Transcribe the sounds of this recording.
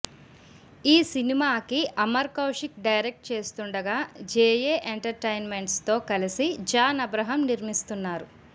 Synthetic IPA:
iːsinimaːkiʔɐmɐɾkɐwʂikɖɐjɾek̚ʈ̚t͡ʃe̞ːst̪uɳɖɐɡaːd͡ʒeːjeːʔeɳʈɐɾʈɐjnme̞ɳʈst̪o̞ːkɐlisid͡ʒaːnɐbɾɐɦɐmniɾmist̪unːaːɾu

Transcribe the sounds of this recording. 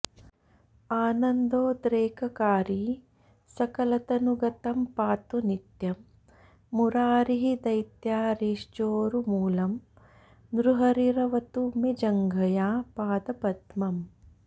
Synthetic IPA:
aːnɐnd̪oːd̪ɾeːkʰɐkaːɾi | sɐkɐlɐt̪ɐnuɡɐt̪ɐmpaːt̪unit̪jɐmː | uɾaːɾiɦid̪ɐjt̪jaːɾiːʂd͡ʒoːɾumuːlɐm | nɾuɦɐɾiɾɐʋɐt̪umed͡ʒɐŋɡʱɐjaːpaːd̪ɐpɐd̪mɐm

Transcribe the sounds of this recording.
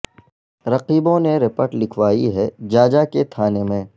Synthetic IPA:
ɾɐqiːbõneɾɪpəʈlɪkʰʋaːiɦɛd͡ʒaːd͡ʒaket̪ʰaːnemẽː

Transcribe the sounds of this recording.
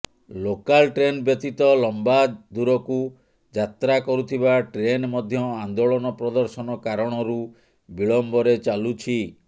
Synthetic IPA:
lokalʈɾenbjɔt̪it̪ɔlɔmbad̪uɾɔku | d͡ʒat̪ɾakɔɾut̪ʰiβaʈɾenmɔd̪ʱjɔand̪oɭɔnɔpɾɔd̪ɔɾsɔnɔkaɾɔɽ̃ɔɾu | biɭɔmbɔɾet͡ʃalut͡ʃʰi

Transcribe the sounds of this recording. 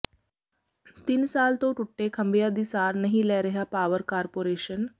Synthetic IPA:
t̪ɪnsaːlt̪õːʈʊʈːeːkʰəmbɪjaːd̪iːsaːɾnəɦĩːlɛːɾəɦaːpaːʋəɾkaːɾpoːɾeːʃən

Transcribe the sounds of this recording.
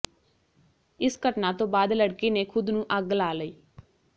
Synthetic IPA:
ɪskəʈnaːt̪õːbaːd̪ləɽkiːneːkʰʊd̪nũːʔəɡlaːləiː

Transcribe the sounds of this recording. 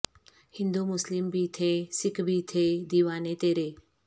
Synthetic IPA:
hɪ̃nd̪uːmʊslɪmbʱiːt̪ʰeːsɪkʰbʱiːt̪ʰeːd̪iːʋaːneːt̪eːɾeː

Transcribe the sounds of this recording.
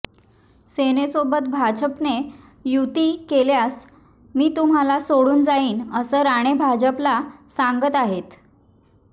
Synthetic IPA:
senesobət̪̚bʱad͡ʑəpne | jut̪iːkeljas | miːt̪um̤alasoɽuːnd͡zaiːnəsəːɾaɽ̃ebʱad͡ʑəplasaŋɡət̪aɦet̪

